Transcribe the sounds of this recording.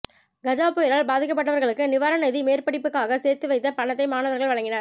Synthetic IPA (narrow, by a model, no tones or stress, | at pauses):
ɡɐd͡ʒaːpɯjɪɾaːɭbaːðɪkːɐp̬ːɐʈːɐʋɐɾɣɐɭɯkːɯnɪʋaːɾɐnɐðimeːrpɐɽɪpːɯkːaːɣɐseːɾt̪ːɯʋɐɪt̪ːɐpɐɳɐt̪ːɐɪmaːnɐʋɐɾɣɐɭʋɐɭɐŋɡɪnɐɾ